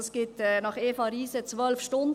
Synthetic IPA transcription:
sɡ̥ɪtɛnɑχeːfɑɾiːsət͡sʋœlfʃtʊnd

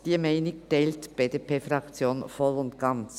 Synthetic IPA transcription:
d̥iːɐmɛɪnɪɡ̚d̥ɛltb̥eːdepʰeːfɾɑkt͡sjoːnfɔlʊnt̪ɡ̥ɑnt͡s

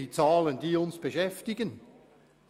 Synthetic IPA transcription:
it͡saːləndiːʊnsb̥eʃɛftɪɡən

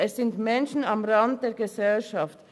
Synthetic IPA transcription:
ɛssɪntmɛnʃn̩amʁɑnd̚d̥eːɡəsɛlʃɑft

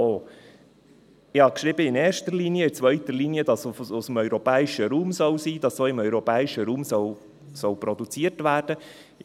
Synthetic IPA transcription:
o | ɪhɑkʃɾɪbəɪneːɾʃtəɾliniəɪt͡sʋœʏtəɾliːniədɑsʊsəm̩œʏɾɔpɛːɪʃəɾuːmsɔwsiːd̥ɑssoːɪmœʏɾɔpɛːɪʃəɾuːmsɔw | sɔwpɾɔd̪ut͡siətʋæːɾd̥ə

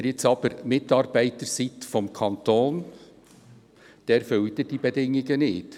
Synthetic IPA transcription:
ɾjɪt͡sɑb̥əɾmɪtɑɾb̥æɪt̪əɾsit̪fɔmkʰɑnt̪oːn | d̪̥ɛːɾfølt̪əd̥ibɛdɪŋːɪɡənɪt

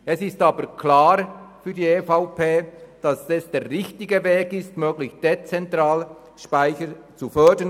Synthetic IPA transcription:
ɛsɪstaːbəkʰlaːɾfyːdiːefaʊpʰeːd̥ɑsɛsd̥eːʁːɪçtɪɡəveːɡɪstmøːɡlɪçd̥et͡sɛntɾaːl | ʃpaɪçə | t͡sufœɐdən

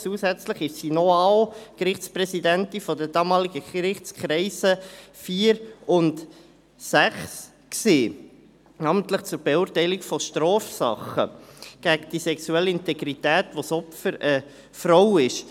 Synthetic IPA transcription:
t͡suːsɛt͡sləχɪʃsinɔɑwkrɪχt͡sprɛsidæntifɔdədɑːmɑːliɡ̥əɾɪχt͡skχɾɛɪsəfiːəɾʊnt | sæχs | kseː | nɑːməntləχt͡sʊɾb̥ɛʊːrtæɪlikfɔʃtɾɔːfsɑ̰χə̰ɡ̥æɡd̥isɛksuɛlːəɪntɛɡɾitæːtʋosɔpfəɾə | fɾowɪʃ

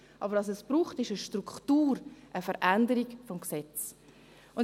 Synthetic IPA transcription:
ʔɑ̰bəɾʋɑs̬ɛsb̥ɾuːχtɪʃəʃtɾukχtuːɾʔəfəɾʔændəɾiɡfɔmksɛt͡s | ʊn

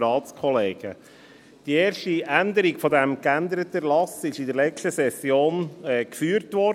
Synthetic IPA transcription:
ɾɑːtt͡skʰɔleːɡ̥ə̰ | d̥ieːɾʃtiænd̪əɾiɡfɔdæmkænd̪əɾət̪əlɑsɪʃɪdəɾlɛt͡ʃtəsɛsjoːnɛkfyːɾtʋɔ

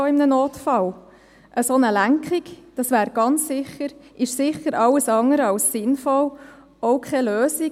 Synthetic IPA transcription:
oɪmnənoːtfɑl | ʔəsonəlæŋkχikd̥ɑsʋæːɾɡ̥ɑnt͡ssɪχəɾʔɪʃsɪχəɾɑləsɑŋəɾəɑwsːɪnfɔl | ɔʊkχɛløːsi

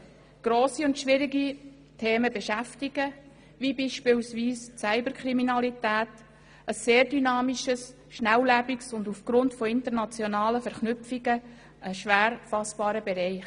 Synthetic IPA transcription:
ɡ̥ɾoːsiʊntʃʋɪɾiɡi | tʰeːməbɛʃæftiɡ̥ə | ʋibiʃpɪːlsʋiːssæɪbəɾkʰɾiminɑlitæːt | əsːeːɾdynɑːmiʃəs | ʃnæwlæbiksʊndufɡ̥ɾʊntfɔɪnt̪əɾnɑt͡sjɔnɑːləfɛɾχnʏpfiɡə | əʃʋæːɾfɑsb̥ɑːɾəbɛɾɛɪχ

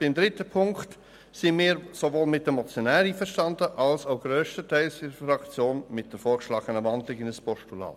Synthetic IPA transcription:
b̥ɪmd̪ɾɪtəpʰʊŋkt | sɪnmiːɾsoʋoːlmɪt̚dɛmɔt͡sjonɛːɾiːfəɾʃtɑndəʔɑlsaʊɡɾøːʃtətʰæɪlsɪɾəfrɑkt͡sjoːnmɪt̚d̥əɾfoːɾkʃlɑːɡ̥ənəʋɑndlɪɡɪnəspɔʃtulɑ̰ː

